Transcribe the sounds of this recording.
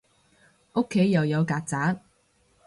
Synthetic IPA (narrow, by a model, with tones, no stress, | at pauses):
ʔo˥kʰːe˨˥jːɐ˨wjɐ˨˧wkaː˧k̚t͡saː˨˥t̚